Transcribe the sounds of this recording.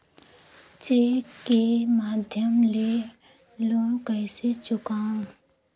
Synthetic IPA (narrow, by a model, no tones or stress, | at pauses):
t͡ɕekimad̪ʱjɐmle | lɔŋkajset͡ɕukaŋ